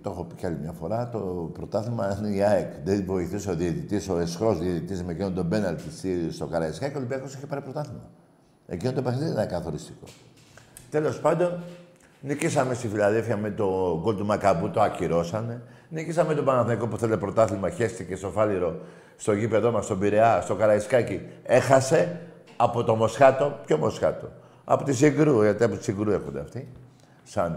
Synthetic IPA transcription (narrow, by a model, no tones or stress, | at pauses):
t̪o̞xo̞pi̥cɐlimɲɐfo̞ɾɐt̪opɾo̞t̪ɐθimɐineiaekðenvo̞iθisoðiet̪it̪isoesxɾo̞zðiet̪it̪izmekinond̪o̞benɐlt̪ist̪ist̪okɐɾɐeskɐkolibiɐkosiçepɐɾipɾot̪ɐθimɐ̰ | ḛcinot̪pexniðnkɐθo̞ɾist̪i̥ko̞̰ | t̪e̞lo̞spɐnd̪o̞n | nicisɐmest̪ifilaðelfiɐmet̪o̞ɡolt̪umɐkabut̪oaciɾo̞sɐne̞nicisɐmet̪o̞pɐnɐθniko̞puθelepɾo̞t̪ɐθimɐçe̞st̪ice̞st̪o̞fɐliɾo̞ | st̪o̞ʝipe̞ðo̞mɐst̪o̞biɾe̞ɐst̪o̞kɐɾɐiskɐcie̞xɐse̞ | ɐpo̞t̪o̞mo̞sxɐt̪o̞pço̞mosxɐ̰t̪o̞̰ | ɐ̰po̞t̪isiɡɾuʝɐt̪iɐpot̪i̥siɡɾuexond̪eɐ̰ft̪i | sɐn